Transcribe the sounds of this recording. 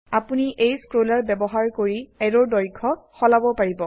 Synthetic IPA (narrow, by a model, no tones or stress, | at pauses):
apuniʔejskɹolaɹbɛbɔɦaɹkoɹiɛdɔɹdɔjkʰɔxɔlabɔpaɹibɔ